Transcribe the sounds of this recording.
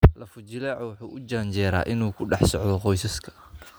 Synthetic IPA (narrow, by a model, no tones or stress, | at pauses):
lɐfʊt͡ʃɪlɛːʕɔwʊħuːʔʊd͡ʒaːnt͡ʃɛːɾa̰ːʔɪnuːkʰʊɖɑħsɔʕðɔqɔjsɐskʰɐ̥